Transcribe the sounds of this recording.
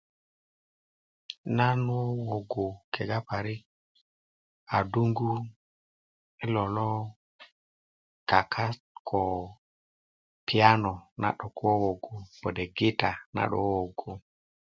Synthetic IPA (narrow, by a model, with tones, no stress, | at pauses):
na˦nɔ˦wɔ˨ɡo˨kɛ˨ɡa˦pa˨ɾɪ˦ | a˨du˦ŋɡu˦ | ɪ˦lɔ˨lɔ˦ | ka˨kʰa˦ | kʰɔ˨ | pi˨a˦nɔ˨na̰˨ɗɔ˨ku˦ɔ˦wɔ˨ɡo˨b̥ɔ˨dɛ˨ɡɪ˦ta˨na̰˨ɗɔ̰˦wɔ˨ɡo˨